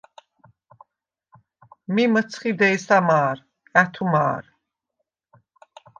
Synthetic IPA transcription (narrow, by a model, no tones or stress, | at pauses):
mimət̪t͡s̪ʰχid̪ɛjsamaːɾʼ | æt̪ʰuma̰ːɾ